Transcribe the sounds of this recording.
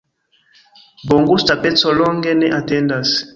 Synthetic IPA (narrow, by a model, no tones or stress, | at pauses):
bɔŋɡustapɛt͡sɔlɔŋɡɛnɛʔatɛndas